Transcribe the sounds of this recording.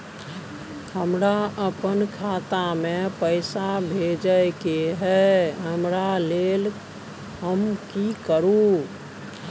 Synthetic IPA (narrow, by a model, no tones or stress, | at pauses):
həmɾaəpənkʰat̪amẽpəɪsabʱed͡ʒəkeɦɛɦəmɾaleːl | ɦəmkikəɾũ